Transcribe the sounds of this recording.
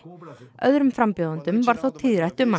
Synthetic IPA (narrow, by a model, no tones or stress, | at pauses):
œðɾʏmfɾampjɔwðant̪ʏmvaɾ̥θawt̪ʰɪðɾajht̪ʏmːa